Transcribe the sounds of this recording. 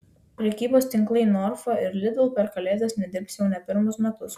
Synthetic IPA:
pʲɾʲɛkʲiːboːst̪ʲɪŋˑklˠɐɪnɔɾfɐɪɾlʲɪd̪ɐlˠpʲɛɾkɐlʲeːzʲɐsnʲɛd̪ʲɪɾpsjɛʊnʲɛpʲɪɾmʊsmʲɛt̪ʊs

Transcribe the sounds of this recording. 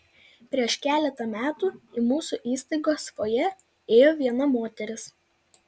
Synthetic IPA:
pʲɾʲiɛʃkʲæːlʲɛt̪ɐmʲæːt̪uːɪmuːsuʔiːst̪ɐɪɡoːskoːjɛ | eːjoːʋʲiɛnɐmoːt̪ʲɛɾʲɪs

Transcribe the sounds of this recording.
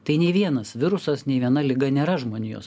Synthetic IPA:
t̪ɐɪnʲeːʋʲiɛnɐsʋʲɪɾʊsɐsnʲeːʋʲiɛnɐlʲɪɡɐnʲeːɾɐʒmoːnʲɪjo̰s

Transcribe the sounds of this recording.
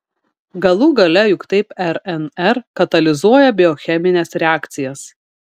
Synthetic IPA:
ɡɐlˠuːɡɐlʲɛjʊkt̪ɐɪpɛɾɛnɛɾkɐt̪ɐlʲɪzuɔjɛbʲɪɔxʲɛmʲɪnʲɛsɾʲɛæːkt̪sʲɪjɛs

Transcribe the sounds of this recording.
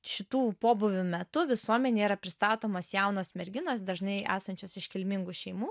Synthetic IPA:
ʃʲɪt̪uːpoːbʊʋʲumʲɛt̪ʊʋʲɪsuɔmʲɛnʲeːiːɾɐpʲɾʲɪst̪ɑːt̪oːmoːsjæʊnoːsmʲɛɾʲɡʲɪnoːsd̪ɐʒnɐɪʔæ̰ːsɐnʲt͡ʃʲoːsɪʃʲkʲɪlʲmʲɪŋɡuʃʲɛɪmuː

